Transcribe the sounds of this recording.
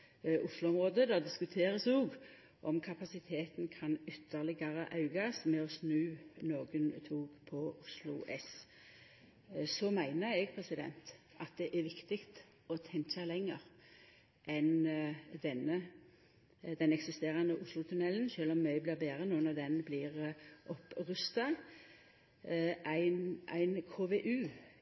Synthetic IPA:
ʔʊslʊɔmʁoːd̪əd̪ɑːd̪ɪskʉt̪ʰeːʁəsoːɡ | ʔɔmkʰɑpɑsɪt̪ʰeːt̪nkʰɑnʏt̪ʰːəʁlɪɡɑʁəʔɑʉɡɑsmɛɔsnʉːnoːɡənt̪ʰuːɡpʰɔʊslʊ̰ʔɛs | sɔmæɪnəɛɡpʰʁɛsɪd̪ɛ̰nt̪ | ɑt̪̚d̪ɛʔæʋɪkt̪ɪɡt̪ | ɔt̪ʰɛŋt͡ʃɑlɛŋːəʁ | ʔɛnd̪ɛnə | d̪ɛnɛksɪst̪eːʁɑnəʔʊslʊt̪ʰʉnɛlnʃøːlɔmːæɪblɪʁbeːʁənuːənɑd̪ɛnblɪːʁʔɔpʁʉst̪ɑ | ʔæɪnæ̰ɪnkʰoːʋeʔʉː

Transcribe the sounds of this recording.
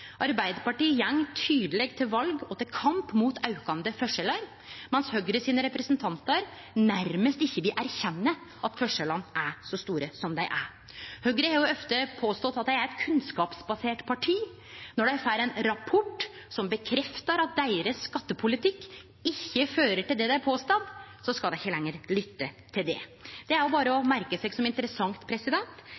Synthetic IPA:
ʔɑɾbæɪd̪əpɑʈiːjɛŋːt̪ʰyːd̪əlɛɡt̪ʰɪlʋɑlɡɔt̪ɪlkʰɑmpmuːt̪ʰɑʉkɑnd̪əfœʂɛləɾ | mɛnshœɡɾəsiːnəɾɛpɾɛsnt̪ʰɑnt̪əɾ | næɾməst̪ɪçːəʋɪlʔæɾçɛnːə | ʔɑt̪fœʂəlɑnːʔæsɔst̪uːɾəsɔmd̪æɪʔæɾ | hœɡɾəhɑɾjʊɔft̪əpʰoːst̪ɔt̪ːɑt̪̚d̪ɛɪæɾɛt̪kʰʉnskɑːpsbɑseːʈpʰɑʈʰiː | nɔɖæfæːɾɛnɾɑpʰɔʈ | sɔmbəkʰɾɛft̪ɑɾɑt̪̚d̪æɪɾəsːkɑt̪ːəpʰʊlɪt̪ʰɪkː | ɪçːəføːɾəʈɪld̪ɛd̪æɪæɾpʰoːst̪ɑnsɔskɑd̪ɛɪçəlɛŋːəɾlʏt̪ːət̪ʰɪld̪ɛ̰d̪̥ɛæɾjʊbɑːɾəɔmæɾkəsɛɡsɔmɪnt̪əɾəsɑŋt̪pʰɾɛsɪd̪ɛnt̪

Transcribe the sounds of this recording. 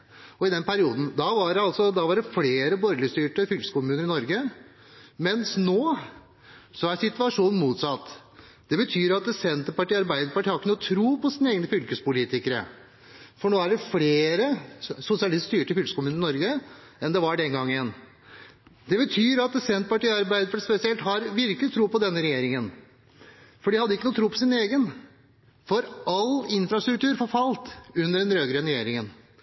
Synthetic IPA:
ɔɪd̪ɛnpʰæɾɪuːd̪n̩d̪ɑʋɑɖɑlsɔd̪ɑʋɑɖɛfleːɾəbɔɾləst̪yːʈəfʏlkə̥skʊmʉːnəɾɪnɔɾɡə | mɛnsnoː | sɔæɾsɪt̪ʉɑʂuːnn̩muːt̪sɑt̪ː | d̪̥ɛbət̪ʰyːɾɑt̪̚d̪ɛsɛnt̪əɾpɑʈiːɑɾbæɪd̪əɾpɑʈʰiːhɑkːənɔt̪ʰɾuːpɔsiːnəeːɡənəfʏlkəspʊliːt̪ɪkəɾə̰ | fɔɳoːæɖɛfleːɾəsʊsɪɑlɪst̪st̪yːʈəfʏlkəsəkʊmʉːnɪnɔɾɡəɛnd̪ɛʋɑɖɛŋɡɑŋːɪɛnː | d̪ɛbət̪ʰyːɾɑt̪̚sɛnt̪əpɑʈiːɑɾbæɪd̪əpɑʈispɛsɪɛlt̪hɑɾʋɪɾkəlɪt̪ʰɾuːpɔd̪ɛnːəɾɛjeːɾɪŋən | fɔɖɪhɑd̪ːɪkːənuːt̪ʰɾuːpʰɔsɪneːɡən | fɔɾɑlɪnfɾɑst̪ɾʉk̚t̪ʉːɾfɔɾfɑlt̪ʉnd̪əɖɛnɾøːɡəɾəɾɛjeːɾɪŋən

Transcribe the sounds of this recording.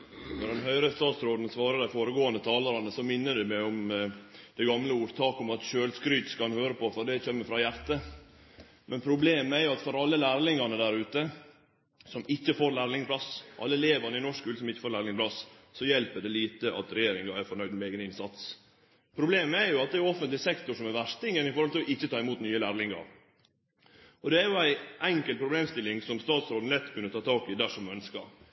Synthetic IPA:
nɔd̪ɛnɦœʏɾəst̪ɑːt̪sɾoːd̪n̩sʋɑːɾəd̪æɪfoːɾəɡoːənd̪ət̪ʰɑːləɾɑnəsɔmɪnːəɖ̪ɛmɛʊm | d̪̥ɛɡɑmləuːɾt̪ʰɑːkʊmɑt̪ʃøːlskɾʏt̪skɑnhøːɾəpɔfɔd̪ɛçɛmːəfɾɑjæɾt̪ə | mʔɛnpʰɾʊbleːməæɾjʊɑt̪fɔɾɑlːəlæːɾlɪŋɑnəd̪æɾʉːt̪ə | sɔmɪçːəfoːɾlæːɾlɪŋpʰlɑsʔɑ̰lːəleːʋɑnəɪnɔʂkʰʉːləsɔmɪçːə̥foːɾlæːɾlɪŋplɑssɔjɛlpəɖɛliːt̪əʔɑ̰t̪ɾɛjeːɾɪŋɑæɾfɔɾɳœʏd̪mɛɛːɡənɪnsɑt̪s | pʰɾʊbleːməæɾjʊɑt̪̚d̪ɛæjʊɔfənt̪lɪsɛkt̪ʊʂɔmɛɾʋæʂt̪ɪŋənɪfɔɾhɔlt̪ʰɪlɔʔɪçːət̪ʰɑːɪmuːt̪nyːəlæːɾlɪŋɑ̰ɾ | ʔɔd̪ɛæɾjʊæɪʔɛŋkəlt̪pʰɾʊbleːmst̪ɪlːɪŋsɔmst̪ɑːt̪sɾoːd̪n̩lɛt̪ːkʰʉnːət̪ʰɑːt̪ʰɑːkɪd̪æʂɔmœnskɑ̰ɾ

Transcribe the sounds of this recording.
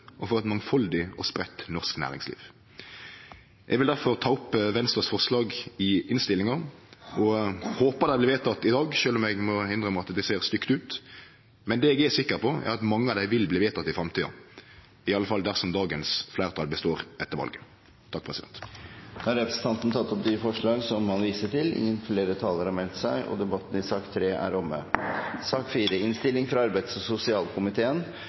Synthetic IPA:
ʔɔfɔʁɛt̪mɑŋfɑld̪ɪɔspɾɛt̪ːnɔʁsknæ̰ːʁɪ̰ŋslḭːʋ | ʔɛɡʋɪld̪æʁfɔʁt̪ʰɑːʊpːʋɛnst̪ɑsfɔʁslɑːɡɪʔɪnst̪ɪlɪŋɑɔhoːpɑd̪æɪblɪːʋeːt̪ʰɑt̪ːɪd̪ɑːɡʃøːlɔmɛɡmɔhɪnd̪ʁəmɑt̪d̪ɛseːʁst̪ʏkt̪ʉːt̪ | mɛnd̪ɛːɛɡɛsɪkːəʁpʰɔʔæ̰ɾɑt̪mɑŋːəɑʋd̪æɪʋɪlbliːʋeːt̪ʰɑt̪ːɪfɾɑmt̪ʰiːd̪ɑ̰ | ɪɑlːəfɑld̪æʁsɔmd̪ɑːɡənsflæɪʁt̪ʰɑːlbəst̪oːɾɛt̪ːəɾʋɑ̰lɡə | t̪ʰɑk̚pʰʁɛsɪd̪ɛ̰nt̪d̪̥ɑɾɛpɾəsən̩t̪ʰɑnt̪n̩t̪ʰɑt̪ːɔp̚d̪yːfɔʂɭɑːɡsɔmhɑnʋiːsəʈɪlɪ̰ŋːənfleːɾət̪ʰɑːləɾhɑɾmɛlt̪sæɪʔɔ̰d̪ɛbɑt̪ːn̩ɪsɑːkt̪ʰɾeːʔæ̰ɾɔmːə̰sɑːkfiːɾəɪnst̪ɪlːɪŋfɾɑɑɾbæɪt̪sɔsʊsɪɑːlkʰʊmɪt̪ʰeːən

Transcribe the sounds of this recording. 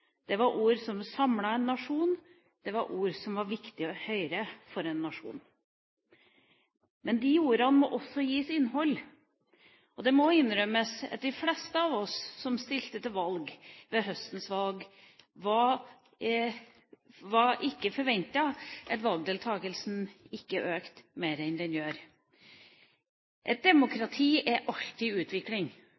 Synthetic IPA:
d̪̥ɛʋɑɾʔuːɾsɔmsɑmlɑɛnːɑʂuːn | d̪̥ɛʋɑɾʔuːɾsɔmʋɑɾʋɪkt̪ɪhœʏɾəfɔɾɛnːɑʂṵːn | mɛnd̪ɪjuːɾəhɑnmɔʔɔsːɔjiːsɪnːɦɔlː | ɔd̪ɛmɔɪnːɾœməsɑ̰t̪̚d̪ɪflɛst̪əɑʋɔsːɔmst̪ɪlt̪ət̪ɪlʋɑlɡʋɛɦœst̪n̩sʋɑlɡ | ʋɑ | ʋɑɾʔɪkːəfɔɾʋɛnt̪ɑʔɛt̪ʋɑlˠɡ̚d̪eːlt̪ʰɑːɡəlsn̩ɪkːəʔøːkt̪meɪɾɛnd̪ɛnjøːɾ | ʔɛt̪̚d̪ɛmʊkɾɑt̪ʰiːʔɛʔɑlt̪ɪʉːt̪ʋɪklɪŋ

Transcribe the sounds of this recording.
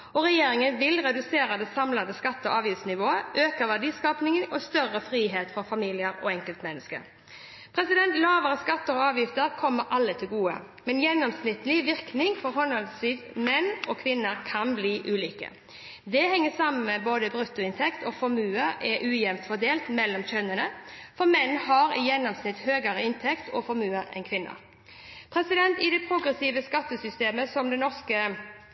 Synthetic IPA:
ɔʁɛjeːɾɪŋənʋɪlʁɛd̪ʉseːɾɑd̪ɛsɑmlɑnd̪əskɑt̪ːəɔ̰ʔɑːʋjɪft̪snɪʋoːəʔøːkəʋædiːskɑːpnɪŋənɔst̪œʁəfɾiːɦeːt̪fɔfɑmiːlɪəɾɔɛŋkəlt̪mɛnːəskə̰ | ppʰɾɛsɪd̪ɛnt̪lɑːʋəɾəskɑt̪ːəɾɔɑːʋjɪft̪əɾkʰɔmːəɾʔɑlːət̪ʰɪlɡuːə̰ | mɛnjɛnːɔmsnɪt̪lɪʋɪʁknɪŋfɔɾɦɔnəlsiːt̪mɛnɔkʰʋɪnːəɾkʰɑnbliːʔʉːliːkə̰ | d̪ɛhɛŋːəsɑmənmɛboːd̪əbʁʉt̪ːʊɪnt̪ʰɛkt̪ɔfɔɾmʉːəɛʔʉːjɛmt̪fɔd̪eːlt̪mɛlːɔmçœnənəfɔʁmɛnːɦɑɾɪjɛnːɔmsnɪt̪høːɡəɾəɪnt̪ʰɛkt̪ʰɔ̰fɔɾmʉːəɾɛ̰nkʰʋɪnːə̰ɾ | pʰɾɛsɪd̪ɛnt̪ɪd̪ɛpʰʁʊɡʁɛsiːʋəskɑt̪ːəsʏst̪eːməsɔmd̪ɛnɔʁskə

